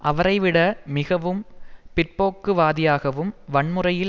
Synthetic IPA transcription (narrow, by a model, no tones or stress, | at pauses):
ʔɐʋɐɾɐɪʋɪɽɐmɪɣɐʋɯmpɪrpoːkːɯʋaːðɪjaːɣɐʋɯmʋɐɳmɯrɐjɪl